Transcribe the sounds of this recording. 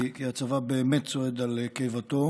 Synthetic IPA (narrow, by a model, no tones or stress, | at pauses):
kiat͡savabeːmett͡soed̪alkejvat̪o̞